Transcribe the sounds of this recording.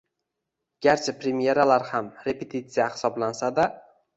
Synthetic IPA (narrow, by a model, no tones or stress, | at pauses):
ɡ̥ʲaɾt͡ʃʰapɾemije̞ɾalaɾhamɾe̞pʰet̪ʰit̪sijahɪ̥sɒblansad̪a